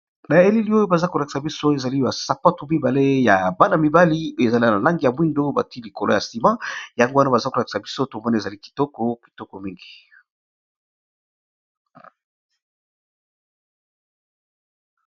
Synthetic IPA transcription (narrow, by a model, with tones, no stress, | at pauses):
na˨e˦li˦li˦o˦jo˦ba˨za˦ko˨la˨ki̥˨sa˨bi˦so˦e˨za˨li˦ba˨sa˨pa˦tu˨mi˦ba˨le˦ja˨ba˦na˨mi˨ba˦li˦o˦e˨za˨la˦˨na˨la˦ŋɡi˨ja˨mwi˦ndo˦ba̰˨ti˦li˨ko˨lo˦ja˨si˨mã˦ja˨ŋɡo˦wa˦na˦ba˨za˦ko˨la˨ki̥˨sa˨bi˦so˦to˨mbo˦na˨e˨za˨li˦ki̥˨tɔ˦kɔ˦ki̥˨tɔ˦ko˨mi˦ŋɡi˨